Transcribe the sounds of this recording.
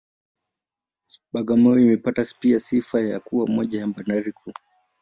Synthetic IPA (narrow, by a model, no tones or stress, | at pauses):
ɓaɡamɔimɛpataspiasifaja̰kuwamɔʄajambanaɾikʰu